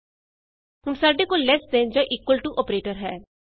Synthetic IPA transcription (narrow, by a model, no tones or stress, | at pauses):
t̪ʊmsaːɖeːkoːllɛːsd̪ẽːd͡ʒoːʔiːkwəlʈuʔɔːpɾeːʈəɾɦɛː